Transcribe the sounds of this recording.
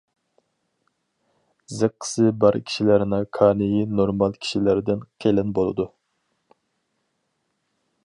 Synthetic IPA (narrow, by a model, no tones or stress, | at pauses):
zɨqʰːə̥sɨbɑɾkʲʰi̥ʃilæɾɪnɑkʰɑːnɪjinoɾmɑlˠkʲʰi̥ʃilæɾd̪ɪnqʰelɪnbolˠɨ̰d̪u